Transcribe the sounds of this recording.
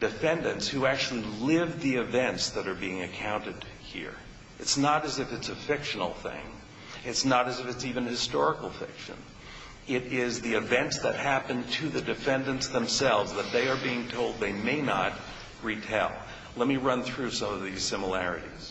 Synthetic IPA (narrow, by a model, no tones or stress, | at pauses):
d̥ɨfɛ̃ndɨ̃ntshuæk̚t͡ʃʉl̩ˠilɪvðiɨvɛ̃ntsðɨɾə˞biɪ̃ŋɨkʰãʊ̃ntɨd̥̚hḭɹ | ɨtsnəɾɨzɨfɨtsɨfɪkʃn̩l̩ˠθɪ̰̃ŋ | ɨtsnəɾɨzɨfɨtsivɨ̃nhɨstɔɹəkl̩ˠfɪ̰kʃɨ̰̃n | ɪɾɪzðiɨvɛ̃ntsðɨ̰t̚hæpɨ̃ntʰɨðɨdɨfɛ̃ndɨ̃ntsðə̃msɛlˠvzðət̪̚ðeɪə˞biɪ̃ŋtʰoʊlˠd̪̚ðeɪmeɪnə̰t̚ | ɹitʰeɪlˠ | lɛt̚miɹʌ̃nθɹʉsʌ̃mʌvðiz̥sɪ̃məlæɹɨ̰ɾḭz̥